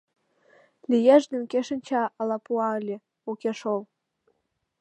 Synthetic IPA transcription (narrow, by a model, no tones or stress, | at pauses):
lʲijæʒd̪ymkeʃə̆nʲt͡ɕɑʔɑlɑpuɑəlʲĕ | ukeʃol